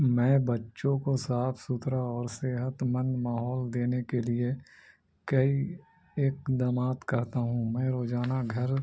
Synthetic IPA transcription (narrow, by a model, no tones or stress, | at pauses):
mɛ̃ːbɐtːʃõkosaːpʰsʊt̪ɾaɔːɾseːɦət̪mənmaːɦɔːld̪eːnekelie | kɐi | eːkd̪əmaːt̪kɐɾt̪aɦũmɛ̃ːɾoːd͡ʒaːnaɡʱɐɾ